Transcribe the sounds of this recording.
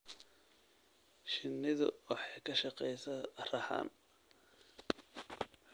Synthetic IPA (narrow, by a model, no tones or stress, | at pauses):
ʃɪnːɪðʊ̰wɑħɑjkʰɐʃɐqɛjsɐrɐħɑ̰ːn